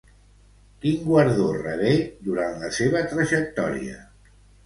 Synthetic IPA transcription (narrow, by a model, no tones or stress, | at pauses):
kiŋɡwəɾðorəβed̪uɾanləseβ̞ət̪ɾəʒək̚t̪ɔ̰ɾḭə̰